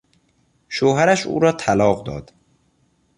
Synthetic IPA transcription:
ʃoːɦæɾæʃṵːɾɒːt̪ʰælɒːɢd̪ɒ̰ːd̪̥

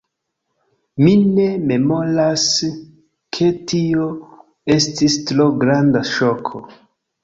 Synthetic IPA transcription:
mine̞me̞mo̞ɾas | kʰe̞tio̞ | e̞stistɾoɡɾandaʃokʰo

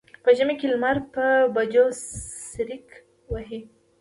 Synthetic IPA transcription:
pəʒəmekelmaɾpəbad͡ʒosɾik | waɦi

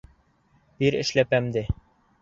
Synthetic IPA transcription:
b̥iɾɘ̰̆ʃlæpæmd̪ɘ

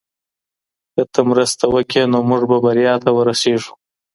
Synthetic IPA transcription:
kət̪ʰəmɾəst̪awəkenomʊʐbabaɾjɑt̪ɐwəɾaseʐu̥

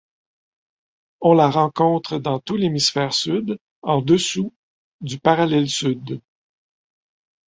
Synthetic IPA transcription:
ɔ̃laʁɑ̃kɔ̃t̪χəd̪ɑ̃t̪ulemisfɛːʁsyd̪ | ɑ̃d̪əsu | d̪ypaʁalɛlsyd̪

